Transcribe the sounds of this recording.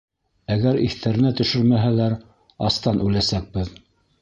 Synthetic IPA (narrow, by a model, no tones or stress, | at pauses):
æɣæɾḭθt̪ʰæɾɘ̆næt̪ɵ̆ʃɵɾmæɦælæɾ | ɑst̪ɑnʉlæsæk̚bɘð